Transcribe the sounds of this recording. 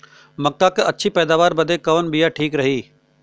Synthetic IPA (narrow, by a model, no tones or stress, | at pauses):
mɐk̚kaːkeɐtːʃʰipɛːd̪aːʋaːɾbɐd̪ekɐʋənbijaʈʰiːkɾɐɦiː